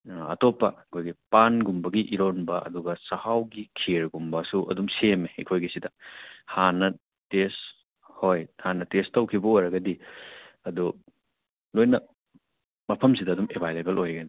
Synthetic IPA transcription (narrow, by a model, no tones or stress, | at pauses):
ɐ̰topːɐɐkʰojɡipanɡumbɐɡiʔiɾonbɐʔɐ̰duɡɐsɐhawɡikʰiɾɡumbɐsuʔɐ̰dumsemeːkʰojɡisidɐhanɐ | tes | hojhanɐtestɐwkʰibɐojɾɐɡɐdiɐdu | lojnɐ | mɐpʰɐmsidɐːdumebʱajlebelojɡɐni